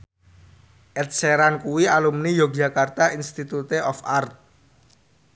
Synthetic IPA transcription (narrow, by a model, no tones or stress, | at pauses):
ʔɛt̪̚seɾankuwialumnijok̚d͡ʒa̤kart̪ainst̪it̪ut̪eʔɔfart̪̚